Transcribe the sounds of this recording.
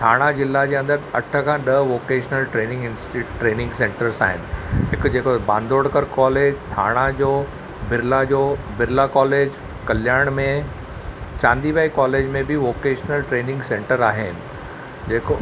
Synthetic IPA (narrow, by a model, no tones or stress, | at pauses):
t̪ʰaːɽ̃azɪlːad͡ʑeːɐ̃nd̪əɾɐʈʰəkʰãːɗɐʋoːkeːʃnəlʈɾeːnɪ̃ŋɡɪ̃nsʈiːʈɾeːnɪ̃ŋɡsẽːɳʈəɾsa̰ːɦɪnɪ̆ɦɪkd͡ʑeːkobãːnd̪ʱoːɽkəɾkɔːleːd͡ʑt̪ʰa̰ːɽ̃ad͡ʑoː | bɪɾlad͡ʑoːbɪɾɪlakɔːleːd͡ʑ | kɐljaːɽ̃mẽ | t͡ɕãːnd̪iːʋaːikɔːleːd͡ʑmẽbʱɪʋoːkeːʃnəlʈɾeːnɪ̃ŋɡsẽːɳʈəɾaːɦɪ̰nɪ̆ | d͡ʑeːko